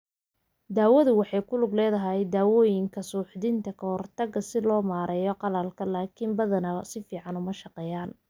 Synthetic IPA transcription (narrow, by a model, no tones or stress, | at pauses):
d̪aːwɐðʊwɑħɑjkʰʊlʊɡlɛːðɐɦɛjd̪aːwɔːjɪŋkʰɐsuːħd̪ɪnt̪ʰɐkʰɐhɔrt̪ʰɐɡɐsɪlɔːmaːɾʔɛːjɔqɑlaːlkʰɐlaːkʰimbɐðɐnɐsɪfiːʕɑnʊmɐʃɑqɛːjaːn